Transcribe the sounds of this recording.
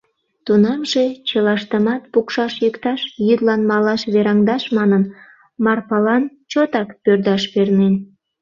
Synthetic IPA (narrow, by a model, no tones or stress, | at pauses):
t̪unɑmʒe̽t͡ɕəlɑʃt̪əmɑt̪pukʃɑʃjəkt̪ɑʃjyd̪lɑnmɑlɑʃβeɾɑŋd̪ɑʃmɑnən | mɑrpɑlɑn | t͡ɕot̪ɑkpørd̪ɑʃpernen